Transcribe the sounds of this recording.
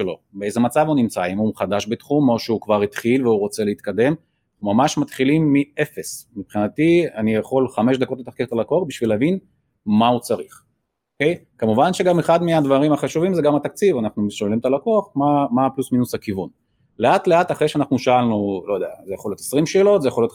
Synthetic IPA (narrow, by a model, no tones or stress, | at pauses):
lo̞̰beejzemat͡savunimt͡saimumχad̪aʃbet̪χumo̞ʃeukvaʁit̪χilveuʁo̞t͡se̞leit̪̚kad̪e̞m | aumamaʃmat̪χilimːie̞fe̞smipχinat̪ianijaχo̞lχameʃd̪ako̞t̪let̪aχkevt̪alakoaχbiʃvilavin | maut͡saʁiχ | oke̞jkamuvanʃeɡameχad̪mead̪vaʁimaχaʃuvimzeɡamat̪ak̚t͡sivanaχnumʃolimt̪alakoaχmamaplusminushakivun | le̞at̪le̞at̪aχʁe̞jʃeanaχnuʃaalnulo̞jod̪ea̰zejaχoljot̪esʁimʃeːlo̞t̪zejaχoljot